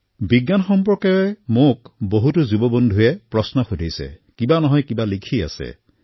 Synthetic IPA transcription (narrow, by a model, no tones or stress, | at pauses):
biɡjanxɔmpɔɹkɔjɔɛmok̚boɦutuzubɔbondʱujɛpɹɔsnɔxudʱisɛ̰kibanɔɦɔjkibalikʰia̰sɛ̰